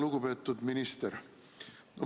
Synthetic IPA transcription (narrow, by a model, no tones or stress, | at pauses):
luɡ̥upe̞ːt̪ˑːud̪minist̪eɾ | no